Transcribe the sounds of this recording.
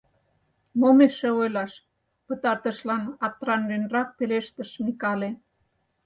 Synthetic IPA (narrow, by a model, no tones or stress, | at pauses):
momeʃĕojlɑʃ | pə̆t̪ɑrt̪ə̆ʃlɑnɑt̪rɑnlynrɑk̚peleʃt̪ə̆ʃmikɑle